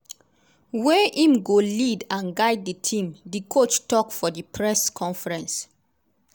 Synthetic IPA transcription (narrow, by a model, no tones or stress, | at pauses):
wɛʔĩmɡolidãnɡaɪd̚ditʰĩmdikʰot͡ʃtɔkfɔdipʰɹɛskʰɔ̃nfɛɹɛ̃ns